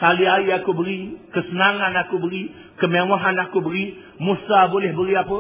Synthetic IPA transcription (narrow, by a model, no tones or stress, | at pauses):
kaliaiakubəɾikəsənaŋanakubəɾi | kəmewaɦanakubəɾi | musabolɛhbəɾiapə